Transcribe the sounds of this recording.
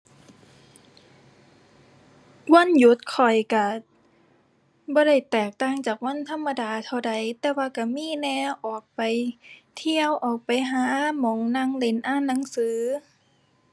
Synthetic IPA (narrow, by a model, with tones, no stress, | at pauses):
wa˧˥˨nju˧˦t̪̚kʰɔ˨˩jka˧˩ | bɔː˧˦ɾa˧˥˩jt̪ɛː˨˩k̚t̪aː˧˩ŋt͡ɕaː˨˩k̚wa˧˥˨nt̪ʰa˧˥˨mːa˧daː˧t̪ʰa˧wda˧˩jt̪ɛː˧˦waː˧ka˧˩miː˧˥˨nɛː˧wʔɔː˨˩k̚pa˨jt̪ʰi˧əwʔɔː˨˩k̚pa˨jɦaː˨˦mɔː˨˧˦ŋna˧˨ŋle˨˧˦nʔaː˧˥˩nːa˨˦ŋsɯː˨˦